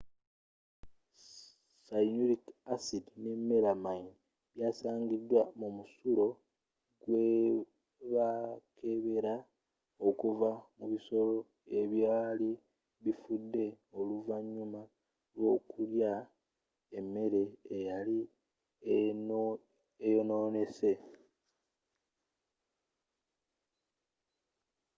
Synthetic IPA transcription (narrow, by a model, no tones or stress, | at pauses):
sainuɾikasidnemːelamain | βjaːsaːɲɡid̪wamumusulo̞ | ɡ̥we | βakʰe̞βe̞ɾa | o̞kuvamuβiso̞lo̞ | e̞βjaːli | βifudːe̞ | o̞luvaɲːuma | lwo̞ːkʰulja | emːe̞ɾe̞ejali | ejono̞ːne̞se̞